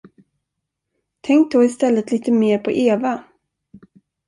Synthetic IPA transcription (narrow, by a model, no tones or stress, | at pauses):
t̪ʰɛŋk̚d̪oːɪst̪ɛlːət̪liːt̪əmeːɾpʰɔʔeːva